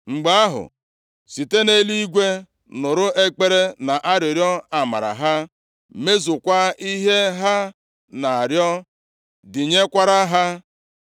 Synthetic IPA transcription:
ŋ͡m̩˨ɡ͡ba˦a˦ɦʊ̰˨ | si˨te˦ne˦li˦ɡʷe˦ | nʊ˨ɾʊ˦e˦k͡pe˦ɾe˦na˨ʔa˦ɾjʊ˨ɾjɔ˦a˨ma̰˨ɾa̰˨ɦa˦ | me˦zʊ˨kʷa˦i˦ɦe˦ɦa˦ | na˨a˨ɾjɔ˦ | dɪ˨ɲe˦kʷa˦ɾa˦ɦa˦

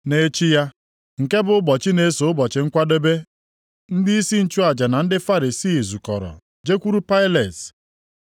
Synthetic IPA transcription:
ne˨˦t͡ʃi˦ja˦ | ŋ̩˨ke˦bʊ˨ʊ˦bɔ˨t͡ʃɪ˦ne˨˦so˨˦bɔ˨t͡ʃɪ˨ŋ̩˦kʷa˦do˦be˦ | n̩˦dɪ˦i˦si˦n̩˨t͡ʃu˦a˨d͡ʒa˨na˨n̩˦dɪ˦fa˦ɾi˨si˦˨zu˨kɔ˨ɾɔ̰˨ | d͡ʒe˦kʷu˦ɾu˦pa˦ɪ˦le˨t

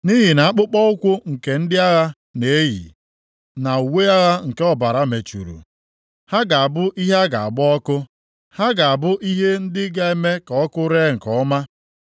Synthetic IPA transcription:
ni˦ɦi˨na˨a˦k͡pʊ˦k͡pɔ˦ʊ˦kʷʊ˦ŋ̩˨ke˨n̩˦dɪ˦a˦ɣa˦ | ne˨˦jḭ˨ | na˨u˨we˦a˦ɣa˦ŋ̩˨ke˦ɔ˦ba˨ɾa˨me˨t͡ʃṵ˨ɾṵ˨ | ha˦ɡa˨a˨bʊ˦ʔi˦ɦa˦ɡa̰˨a̰˨ɡ͡bʊ˦ɔ˦kʊ˦ | ha˦ɡa˨a˨bʊ˦ʔi˦ɦe˦n̩˦dɪ˦ɡa˦e˦me˦ka˨ɔ˦kʊ˦ɾe˦ŋ̩˨kɔ˦ma˦

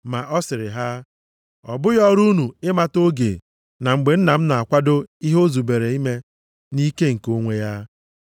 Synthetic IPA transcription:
ma˨ʔɔ˦sɪ˨ɾɪ˨ɦa˦ | ɔ̰˨bʊ˦jɔ˦ɾu˦nu˨ɪ˦ma˦to˦ɡḛ˨ | na˨ŋ͡m̩˨ɡ͡be˨n̩˦na˨m̩˦na˨a˨kʷa˦do˦i˦ɦo˦zu˨be˨ɾe˨i˦me˦ | ni˦ke˦ŋ̩˨ko˦ŋʷe˦ja˦

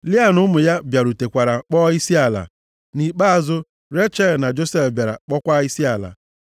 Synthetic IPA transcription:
li˦a˨nʊ˦mʊ˨ja˦bja˨ɾu˨te˨kʷa˨ɾa˨k͡pɔ˦i˦si˦a˨la̰˨ | ni˨k͡pa˦a˦˨zʊ˦ | ɾe˦t͡ʃɛ˦˨lna˨d͡ʒo˦sɛ˦fbja˨ɾa̰˨k͡pɔ˦kʷa˦i˦si˦a˨la̰˨

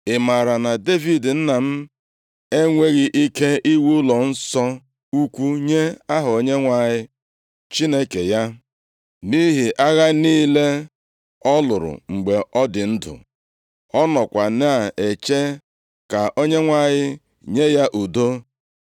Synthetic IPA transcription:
ɪ˨ma˨ɾa˨na˨de˦vi˨dn̩˦na˨m̩˦ | e˦ŋʷe˦ɣi˨ʔi˦ke˦ʔi˦wu˦lɔ˨n̩˦sɔ˦ | u˦kʷu˦ɲe˦a˦ɦʊ˨o˦ɲe˦ŋʷa˨ɲɪ˦ | t͡ʃi˦ne˦ke˨ja˦ | ni˦ɦi˨ʔa˦ɣa˦niː˦le˦ | ɔ˦lʊ˨ɾʊ̰˨ŋ͡m̩˨ɡ͡be˨ɔ˦dɪ˨n̩˦dʊ̰˨ | ɔ˦nɔ˨kʷa˨na˦a˨e˨t͡ʃe˦ | ka˨ʔo˦ɲe˦ŋʷa˦˨ɲɪ˦ | ɲe˦ja˦ʔu˨do˦

